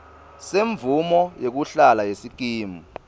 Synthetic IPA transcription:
seɱvumɔjek̬uɬalajesik̬ʼiːmu

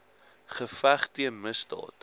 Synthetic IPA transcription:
χəfæχtiənməsdɑ̰ːt

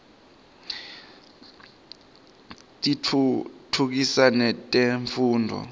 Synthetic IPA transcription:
tʼitʰuk̬isanɛtʼeɱfuːndʱɔ̰

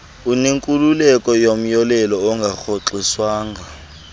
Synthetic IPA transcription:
uniŋkʼululɛkʼɔjom̩jɔlɛlɔɔŋɡʱaxʰɔǁiswaːŋɡa

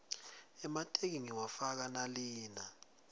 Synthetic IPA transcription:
ɛmatʼek̬iŋiwafak̬analiːna

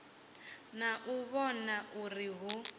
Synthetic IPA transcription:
naʔuβɔnaʔuriɦu

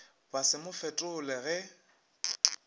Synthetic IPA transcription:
basɪmʊfɛtʼʊlɛɣɛ

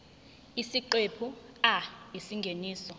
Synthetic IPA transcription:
isiǃepʰuaisiŋɡʱeniːsɔ

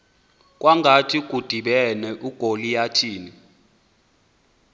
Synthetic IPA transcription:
k̬ʼwaŋɡʱatʰikʼud̥ʱiɓɛnɛʔuɡ̥ʱolijatʰiːni

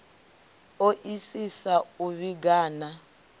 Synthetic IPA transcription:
oʔisisauβiɡaːna

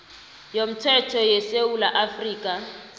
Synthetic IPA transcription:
jom̩tʰɛtʰɔjeseulaʔafriːkʼa

